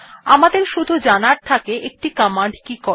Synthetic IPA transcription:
amad̪eɾʃud̪ʱud͡ʑanaɾt̪ʰakeʔek̚ʈikɔmaɳɖkikɔ

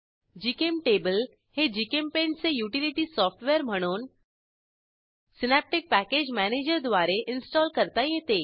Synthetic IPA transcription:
d͡ʒiːkemʈeːbəl | hed͡ʒiːkempẽnʈsejuːʈɪlɪʈisɔːfʈʋeːəɾm̤əɽ̃oːn | sɪnɛːp̚ʈɪk̚pɛːkeːd͡ʒmɛːneːd͡ʒəɾd̪wʋaːɾeʔɪnsʈɔːlkəɾt̪ajẽt̪eː

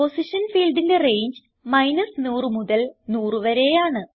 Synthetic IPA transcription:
posiʂɐnfiːlɖinde̞re̞jɲd͡ʑɨ | mɐjnɐsnuːrɨmuðɐlnuːrɨʋɐɾe̞jaːɳɨ

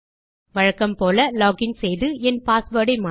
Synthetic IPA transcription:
ʋɐɻɐkːɐmpoːlɐlɔːɡɪnsɛjðɯɛnpaːsʋɐːɽɐɪmaː

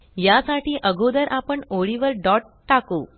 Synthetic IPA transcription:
jasaʈiːʔəɡʱod̪əɾʔapəɳoɭiʋəɾɖɔʈːako

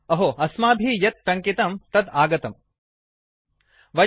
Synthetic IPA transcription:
ɐɦoɐsmaːbʱijɐt̪̚pɾɐŋkit̪ɐmt̪ɐd̪aːɡɐt̪ɐm | ʋɐ

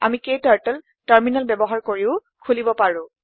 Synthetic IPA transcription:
a̰mikejtaɹʈɛl | taɹminalbɛbɔɦaɹkoɹiʊ | kʰulibɔpaɹʊ̃

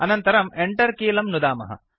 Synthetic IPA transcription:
ɐnɐnt̪ɐɾɐmeɳʈɐɾkiːlɐmnud̪aːmɐ̰ɦɐ̰

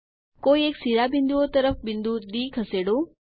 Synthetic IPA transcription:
koːieːksiɾabɪ̃nd̪uot̪əɾəfbɪ̃nd̪ʱud̪iːkʰɐseːɽo

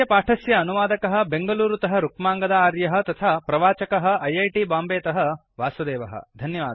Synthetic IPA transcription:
ɐpaːʈʰɐsjɐːnuʋaːd̪ɐkɐɦɐ̆beŋɡɐluːɾut̪ɐɦɐɾukmaːŋɡɐd̪ɐaːɾjɐɦɐ̆t̪ɐt̪ʰaːpɾɐʋaːt͡ʃɐkɐɦɐ̆ɐjɐjʈibaːmbeːt̪ɐɦɐ̆ | ʋaːsɐd̪eːʋɐɦɐ̰d̪ʱɐnjɐʋaːd̪

